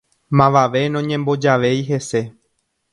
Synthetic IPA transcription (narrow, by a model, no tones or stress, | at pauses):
mãʋaʋe̞nõɲẽmbo̞d͡ʒaʋe̞jɦe̞se̞